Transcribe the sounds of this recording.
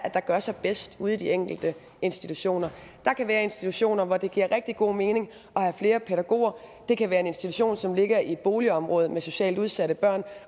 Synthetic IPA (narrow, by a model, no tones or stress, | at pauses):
æ̥ɑ̈ɡ̥ɶɐsɑ̈ɪb̥esd̥uːð̞̩ˠd̥ieŋ̰ɡ̥l̩d̥ə | e̝nsd̥it͡sʰuɕo̝̰ːnɐd̥ɑ̈kʰæʋæːɐe̝nsd̥it͡sʰuɕo̝̰ːnɐʋɒd̥e̝ɡ̥ḭɐ̰ʁɛɡ̥̚d̥iɡ̥o̝̰ːme̝ːne̝ŋ | ɒ̽hæfle̝ːɐpʰeɾæɡ̥o̝̰ːɐd̥e̝kʰæʋæːɐe̝ne̝nsd̥it͡sʰuɕo̝̰ːnsɒ̽mle̝ɡ̥ɐid̥̚b̥o̝ːliəɒ̽mʁɔ̽ːð̞̩ˠmeso̝ɕɛ̰ːld̥uð̞ˠsæɾəb̥ɶɐ̰n